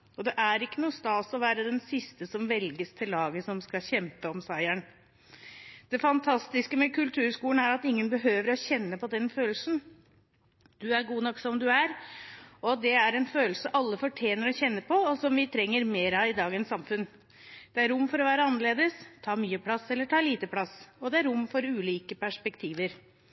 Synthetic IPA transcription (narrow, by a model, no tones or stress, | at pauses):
ɔd̪ɛʔæɾɪkːənuːst̪ɑːsɔʋæːɾəd̪ɛnsɪst̪əsɔmʋɛlɡəst̪ʰɪlːɑːɡəsɔmskɑçɛmpəɔmsɑɪæɳ | d̪̥ɛfɑnt̪ʰɑst̪ɪskəmɛkʰʉlt̪ʰʉːɾskuːən̩æɾɑt̪ɪŋːənbəɦøːʋəɾɔçɛnːəpɔd̪ɛnføːlsn̩ | d̪̥ʉæɾɡuːnɔkːsɔmd̪ʉæɾ | ɔd̪ɛæɾɛnføːlsəəʔɑlːəfɔʈʰjeːnəɾɔçɛnːəpʰɔɔsɔmʋɪt̪ʰɾɛŋːəɾmeːɾɑɪd̪ɑːɡənsɑmfʉn | d̪̥ɛæɾʊmːfɔɾɔʋæːɾəɑnːəɭeːd̪əst̪ʰɑːmyːəpʰlɑsɛlːəʈʰɑːliːt̪əpʰlɑsɔd̪ɛæɾʊmːfɔɾʉːliːkəpæʂpɛkt̪ʰiːʋəɾ